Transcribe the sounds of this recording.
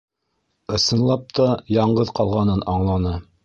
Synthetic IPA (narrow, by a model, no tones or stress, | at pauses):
ɤ̆sɤ̆nlˠɑp̚t̪ɑjɑɴɢɤðqɑlˠʁɑnɤnɑɴlˠɑnɤ